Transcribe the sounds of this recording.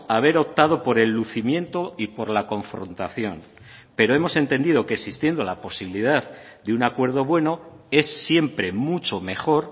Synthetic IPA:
aβ̞e̞ɾo̞p̚t̪að̞o̞po̞ɾe̞lːuθimjẽ̞nt̪o̞ipo̞ɾlako̞ɱfɾo̞̰nt̪aθjo̞̰n | pe̞ɾo̞e̞mo̞sent̪e̞nd̪iðo̞keksist̪jend̪olapo̞siβiliðaðd̪eunakwe̞ɾð̞o̞βwe̞no̞e̞sːje̞mpɾe̞mut͡ʃo̞me̞χo̞ɾ

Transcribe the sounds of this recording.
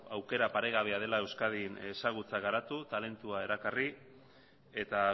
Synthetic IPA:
awke̞ɾapaɾe̞ɣaβ̞e̞að̞e̞lae̞wskaðine̞saɣ̞ut͡saɣaɾat̪ut̪ale̞nt̪uae̞ɾakari | e̞t̪a

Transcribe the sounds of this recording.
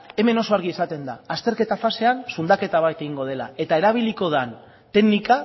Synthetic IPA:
e̞me̞no̞so̞aɾɣiesat̪e̞nd̪aːst̪e̞ɾke̞t̪afase̞ansund̪ake̞t̪aβ̞ajt̪e̞ɣiŋɡo̞ð̞e̞la̰e̞t̪ae̞ɾaβ̞iliko̞ðan | t̪e̞ɡnika

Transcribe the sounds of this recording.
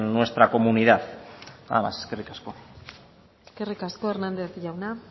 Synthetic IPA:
nːwe̞st̪ɾako̞muniðaða̰ðema̰seskerikasko̞ | eske̞rikasko̞eɾnand̪eθʝawna

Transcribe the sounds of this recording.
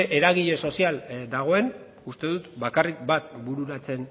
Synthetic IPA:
ʔeɾaɣiʎe̞so̞siald̪aɣ̞o̞e̞n | ust̪e̞ðut̪bakarik̚bat̪buɾuɾat͡se̞n

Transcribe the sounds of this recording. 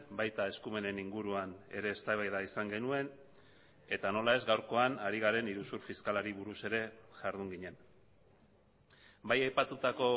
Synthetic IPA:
bajt̪ae̞skume̞ne̞niŋɡuɾuane̞̰ɾe̞ːst̪aβajðaisaŋɡe̞nue̞n | e̞t̪ano̞lae̞zɡawɾko̞anaɾiɣ̞aɾe̞niɾusuɾfiskalaɾiβuɾuse̞ɾe̞ʝaɾðuŋɡiɲe̞n | bajajpat̪ut̪ako̞

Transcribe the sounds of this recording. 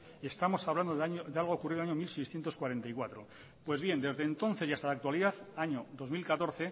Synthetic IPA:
e̞st̪amo̞saβland̪oðaɲod̪ealɣ̞okuriðaɲo̞milsejsθjent̪o̞skwaɾe̞nt̪aikwat̪ɾo̞ | pwe̞zβje̞nd̪e̞zðe̞ːnt̪o̞n̟θejast̪alak̚t̪waliðaθaɲo̞ðo̞zmilkat̪o̞ɾθe̞

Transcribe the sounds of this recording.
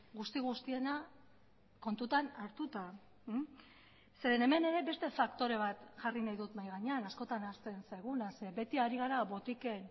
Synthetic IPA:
ɣust̪iɣ̞ust̪ie̞na | ko̞nt̪ut̪anaɾt̪ut̪a | se̞ɾe̞ne̞me̞ne̞ɾe̞be̞st̪e̞fakt̪o̞ɾe̞β̞at̪ʝarinajðut̪majɣaɲeanasko̞t̪anast̪e̞nsajɣ̞unase̞be̞t̪iaɾiɣ̞aɾaβo̞t̪ike̞n

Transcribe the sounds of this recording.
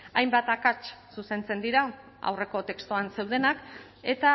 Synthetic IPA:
ajmbat̪akat͡ʃsuse̞nt͡se̞nd̪iɾa | a̰wre̞ko̞t̪e̞kst̪uanse̞wð̞e̞nak | e̞t̪a

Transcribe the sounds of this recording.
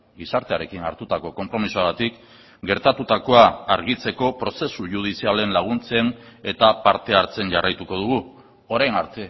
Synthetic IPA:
ɡisaɾt̪e̞aɾe̞kina̰ɾt̪ut̪ako̞ko̞mpɾo̞misuaɣat̪ik | ɡe̞ɾt̪at̪ut̪ako̞aːɾɣit͡se̞ko̞pɾo̞se̞suʝuð̞isiale̞nlaɣ̞unt͡se̞ne̞t̪apaɾt̪e̞aɾt͡se̞nʝarajt̪uko̞ð̞uɣ̞u | o̞ɾajnaɾt̪e̞

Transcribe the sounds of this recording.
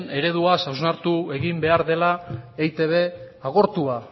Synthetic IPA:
ne̞ɾe̞ð̞uasawznaɾt̪ue̞ɣimbe̞aɾðe̞laejt̪e̞βe̞ | aɣo̞ɾt̪ua

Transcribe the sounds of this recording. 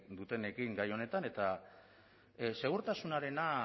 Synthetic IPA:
d̪ut̪e̞ne̞kiŋɡajo̞ne̞t̪ane̞t̪a | se̞ɣ̞uɾt̪asunaɾe̞na

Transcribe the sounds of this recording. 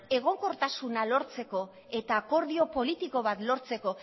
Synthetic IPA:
e̞ɣ̞o̞ŋko̞ɾt̪asunalo̞ɾt͡se̞ko̞ | e̞t̪aːko̞ɾð̞io̞po̞lit̪iko̞βat̪lo̞ɾt͡se̞ko̞

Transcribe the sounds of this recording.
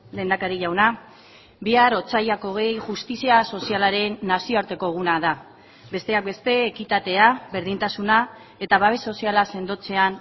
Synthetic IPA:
le̞ːnd̪akaɾiʎawna | biaɾo̞t͡sajako̞ɣ̞e̞jʝust̪isiaso̞sialaɾe̞nːasioaɾt̪e̞ko̞ɣ̞unaða | be̞st̪e̞ak̚be̞st̪e̞ːkit̪at̪e̞aβe̞ɾðint̪asuna | e̞t̪aβaβe̞so̞sialase̞nd̪o̞t͡se̞an

